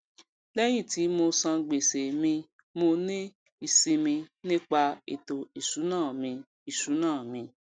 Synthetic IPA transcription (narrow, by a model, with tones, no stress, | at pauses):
lɛ˦j̃ĩ˦˨ti˨˦mo˧sã˧ɡ͡be˨se˨mĩ˧ | mo˧nĩ˦ | i˦˨si˧mĩ˧nĩ˦k͡pa˧ḛ˨to˨i˨su˨˦nãː˦˨mĩ˧ | i˨su˨˦nãː˦˨mĩ˧